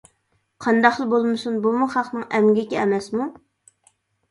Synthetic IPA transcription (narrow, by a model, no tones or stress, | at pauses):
qʰɑnd̪ɑχlˠbolˠmɨsunbumuχɑqnɨŋɛmɡʲɪkʲɛɛmɛsmu